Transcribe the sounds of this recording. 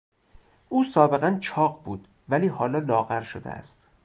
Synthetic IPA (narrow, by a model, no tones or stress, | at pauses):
ʔuːsɒːbe̞ɣænt͡ʃʰɒːɢbuːd̪̥ | væliːhɒːlɒːlɒːɣæɾʃod̪ḛæ̰st̪